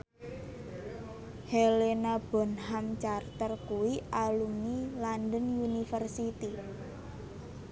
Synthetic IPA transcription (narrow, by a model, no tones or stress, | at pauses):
helenab̥ɔ̤nɦamt͡ʃart̪ərkuwiʔalumiland̪ənjunifərsit̪i